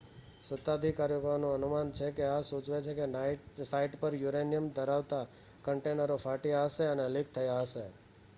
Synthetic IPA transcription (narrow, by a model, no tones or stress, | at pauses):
sət̪ːad̪ʱikaɾjokanũənumant͡ʃʰekeasut͡ʃʋet͡ʃʰekesaiʈpəɾjuɾenijəmd̪əɾaʋt̪a | kəɳʈenəɾofaʈijaɦəʃeənelik̚t̪ʰəjaɦəʃe